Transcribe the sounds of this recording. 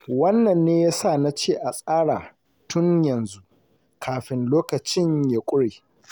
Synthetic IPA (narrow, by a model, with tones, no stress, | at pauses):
wɐ˦nːɐ˨nːeː˦jaː˦sa˦˨na˦t͡ʃeː˦˨ʔa˨sʼaː˦ɽaː˨ | tʊ˦ɲjɐ˨nzu˦ʔ | kʰaː˨ɸɪ˨nloː˦kɐ˨t͡ʃɪ˦ɲja˦kʷʼʊ˦ɽeː˨